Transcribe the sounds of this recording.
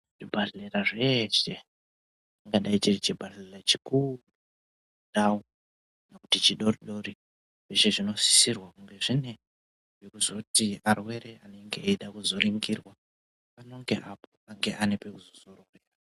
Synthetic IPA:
ʐ̥ibʱaɮeraʐe̞ʃe | aŋɡaɗait͡ʃirit͡ʃibʱaɬlerat͡ʃikuru | ɗao | nakutit͡ʃiɗo̞riɗo̞ɾi | ʐeʃeʐino̞si̥sirwakuŋɡe̞ʐine̞ | ʐekuzo̞tiarwe̞ɾe̞aneŋɡeeɗakuzo̞riŋɡirwa | pano̞ŋɡe̞ʔapoaŋɡe̞ʔane̞pekuzosororeraa

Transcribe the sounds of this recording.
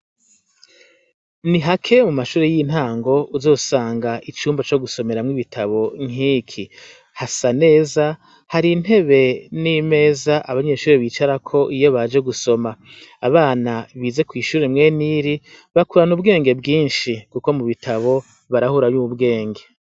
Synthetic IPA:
niɦakʰe̞mumaʃuːɾejin̥haːŋɡo̞uzo̞ːsaːŋɡaʔit͡ʃuːmbat͡ʃo̞ɡuso̞me̞ɾamŋiβitʰaβo̞ŋiːkʰi | hasane̞ːza | haɾin̥he̞βe̞nime̞ːzaʔaβaɲe̞ʃuːɾeβiːt͡ʃaɾakʰo̞ʔijo̞βad͡ʒe̞ɡuso̞maː | βaːnaβiːze̞kwiːʃuːɾemŋe̞ːniɾi | βakuɾanubɡe̞ːŋɡe̞bɡiːnʃikuko̞muβitʰaβo̞ | βaɾahuɾaɲuːβubɡe̞ːŋɡe̞

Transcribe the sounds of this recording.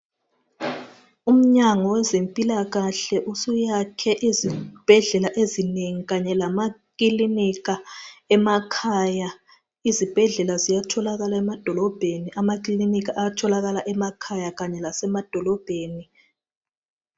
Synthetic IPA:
um̩ɲaŋɔwɛzempʼilaɣaɬɛʔusujakʰɛʔizib̥ʱɛɮɛlaʔezineŋiɣaɲɛlamakilinikaɛmakʰaja | izib̥ʱɛɮɛlazijatʰɔlaɣalaɛmad̥ʱɔlɔb̥ʱeniʔamak̬ʼlilinik̬aʔaatʰɔlaɣalaʔɛmakʰajaɣaɲɛlasɛmad̥ʱɔlɔb̥ʱeːni

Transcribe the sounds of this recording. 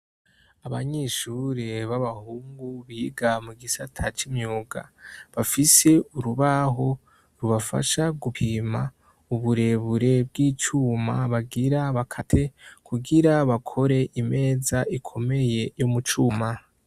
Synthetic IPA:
aβaɲeʃuɾeβaβahuːŋɡuβiɡamuɡisatʰat͡ʃimɲuːɡa̰βafise̞uɾuβaɦo̞ | ɾuβafa̰ʃaɡupʰiːma | uβuɾe̞βuɾe̞bɡiːt͡ʃuːmaβaɡiɾaβakʰatʰe̞kʰuɡiɾaβakʰo̞ɾe̞ʔime̞ːzaʔikʰo̞me̞je̞jomut͡ʃuːma

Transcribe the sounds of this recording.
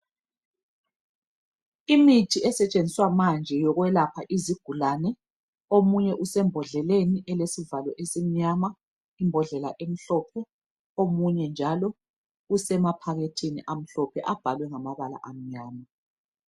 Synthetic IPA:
imitʰiɛsɛt͡ʃʼenʱiswamand͡ʒʱɛjɔɣwɛlapʰaʔiziɡ̥ʱulanɛ | omuɲɛʔusɛmbʱɔɮɛleniʔɛlesivalɔʔesim̩ɲama | imbʱɔɮɛlaʔem̩ɬɔpʰɛ | omuɲɛnd͡ʒʱalɔ | usɛmapʰaɣetʰiniʔam̩ɬɔpʰɛʔab̥ʱalwɛŋamaβala̰ʔam̩ɲaːma

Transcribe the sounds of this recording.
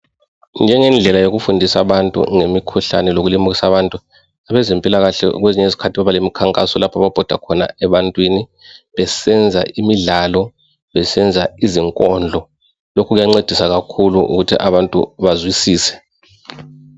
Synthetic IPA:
nd͡ʒʱɛŋɛnd͡ɮʱɛlajoɣufundʱisaβantʼṵŋemikʰuɬa̰nɛloɣulimuɣisaβantʼu | aβɛzimpʼilaɣaɬɛ̰ɣweziɲɛizikʰatʰiβaβalemikʰaŋkʼasɔlapʰaβab̥ʱɔd̥ʱa̰kʰɔna̰ɛβantʼwiniβɛsɛnd͡zʱaʔimiɮalɔ | βɛsɛnd͡zʱaiziŋkʼɔnd͡ɮʱɔ | lokʰɔɣujaŋ͡ǀed̥ʱisaɣakʰuluʔṵɣutʰḭʔaβantʼṵβazwisiːsɛ̥

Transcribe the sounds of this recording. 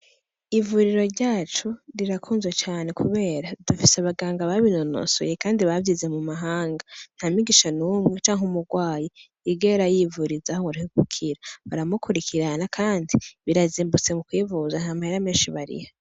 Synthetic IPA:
ivuɾiɾo̞ɾɟaːt͡ʃuɾiɾakʰuːnzwet͡ʃaːne̞kʰuβe̞ːɾad̥ufiseaβaɡaːŋɡaβaβino̞no̰so̰jekaːndiβavjize̞mumaɦaːŋɡan̥hamiɡiʃanuːmŋet͡ʃaːŋɦumuɡwaːji | iɡeɾajivuɾizahoŋuɾihiɡukʰiɾaβaɾamukʰuɾikʰiɾanakʰaːndiβiɾaziːmbut͡se̞mukwiːvuzanhamaheɾameːnʃiβaɾḭhḁ

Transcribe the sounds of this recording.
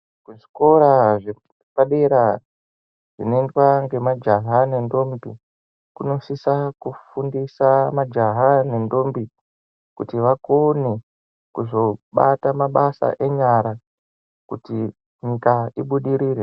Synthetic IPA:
kuʐiko̞ɾaʐe | paɗe̞ɾa | ʐ̥inoendwaŋɡe̞mad͡ʒaɦane̞ndo̞mbi | kuno̞sisakufundisamad͡ʒaɦane̞ndo̞mbi | kutiʋakone̞ | kuzo̞ɓatamaɓasa̰ʔe̞ɲaɾa | kuti | ɲikaiɓuɗiɾiːɾe

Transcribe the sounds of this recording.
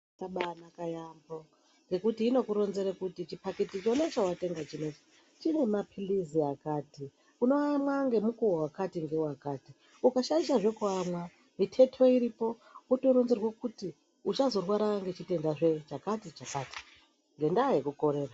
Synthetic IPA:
saɓanakajambo | ŋɡe̞kutiːno̞kuɾo̞nzeɾekutit͡ʃipaketit͡ʃo̞net͡ʃauwate̞ŋɡat͡ʃinet͡ʃi̥ | t͡ʃine̞mapʰiliziakaːti | uno̞amwaŋɡe̞mukuwowakatiŋɡe̞wakati | ukaʃaiʃaʐe̞kuamwa | mitʰe̞tʰo̞iɾipo̞ | uto̞ɾo̞nzerwakuti | ut͡ʃazo̞rwaɾaŋɡe̞t͡ʃite̞ndaʐet͡ʃakatit͡ʃakati̥ | ŋɡe̞ndaɦekuko̞ɾe̞ːra

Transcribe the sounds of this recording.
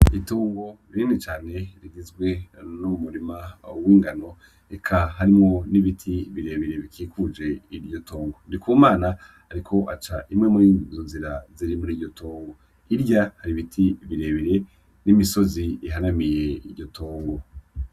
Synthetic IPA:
ituːŋɡo̞ɾiiːnit͡ʃaːne̞ɾiɡizɡwe̞numumuɾimawiːŋɡano̞ | ekʰaɦaɾimŋo̞niβitʰiβiɾeːβiɾe̞βikʰiːkʰud͡ʒe̞iɾɟo̞tʰoːŋɡo̞ndikʰuːmaːna | aɾikʰo̞ʔat͡ʃaʔimŋe̞muɾiːndizonziɾaziɾimuɾiːɾɟo̞tʰoːŋɡo̞ | iɾɟahaɾiβitʰiβiɾe̞ːβiɾe̞ | nimiso̞ziiɦanamije̞iɾɟo̞tʰoːŋɡo̞

